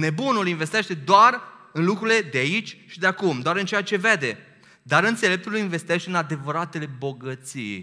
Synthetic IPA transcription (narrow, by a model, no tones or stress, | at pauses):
ne̞bunulinve̞st̪eʃt̪e̞d̪oar | ɨnlukɾuile̞d̪eait͡ʃʲʃid̪eakumd̪oaɾɨnt͡ʃejat͡ʃe̞ve̞d̪e̞ | d̪aɾɨnt̪se̞le̞p̚t̪ulinve̞st̪eʃt̪eɨnad̪e̞vəɾat̪e̞le̞bo̞ɡət̪sḭj